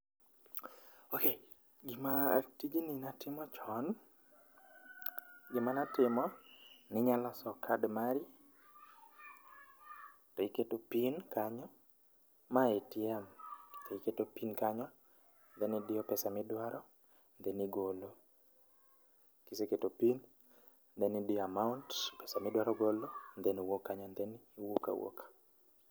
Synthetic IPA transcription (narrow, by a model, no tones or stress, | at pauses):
oke | ɡɪmatid͡ʒininatɪmɔt͡ʃɔn | ɡɪmanatɪmɔnɪɲalɔsɔkʰadmaɾi | tɔiketopinkaɲɔ | maetjɛmki̥t̪oiketopinkaɲɔ | nd̪ɛnɪdɪɔpɛsamɪdwaɾʔɔ | nd̪ɛniɡolo | kiseketopin | nd̪ɛnidɪamauntpɛsamɪdwaɾɔɡolond̪eniwokːaɲɔnd̪ɛniːwoka̰wo̰kḁ